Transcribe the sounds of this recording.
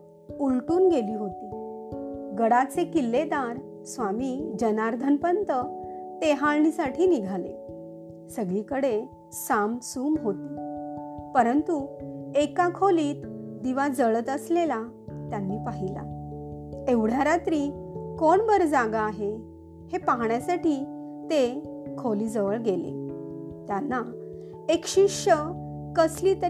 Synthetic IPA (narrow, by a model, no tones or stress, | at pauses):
ulʈuːnɡeliːɦot̪iː | ɡəɽat͡sekilːed̪aɾ | sʋamid͡ʑənaɾd̪ʱənpənt̪ət̪eɦaɭɳisaʈʰiːniɡʱalḛ | səɡɭikəɽe | samsuːmɦot̪iː | pəɾənt̪uekakʰoliːt̪d̪iʋad͡zəɭət̪əslela | t̪janːiːpaɦila̰ | eʋɽ̤jaɾat̪ɾiːkoɳbəɾd͡zaɡaːɦe | hepaɦɳjasaʈiː | t̪ekʰoliːd͡zəʋəɭɡelḛt̪janːa | ekɕiʂə | kəsliːt̪ə